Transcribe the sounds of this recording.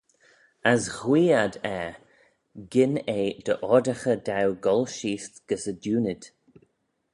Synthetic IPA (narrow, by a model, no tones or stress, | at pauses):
asɣwiːad̪ɛː | ɡɪneːd̪əʔɔdəxəd̪awɡɔlʃiːst̪ɡ̥əsədjuːnɪd̪̥